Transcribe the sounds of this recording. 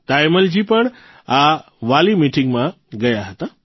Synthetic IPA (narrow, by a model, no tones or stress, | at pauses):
t̪aːjməld͡ʑiːpɐɽ̃ | a | ʋaːlimiːʈɪŋɡmã | ɡɐjaɦɐt̪a